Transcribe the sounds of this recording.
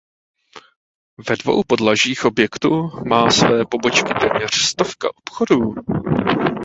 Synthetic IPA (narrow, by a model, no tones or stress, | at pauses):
vɛdvo̞̰wpo̞dlaʒiːxʔobjɛkt̪umaːsvɛːpo̞bo̞t͡ʃkɪt̪ɛːmɲɛr̝̥st̪o̞fka̰ʔopxo̞duː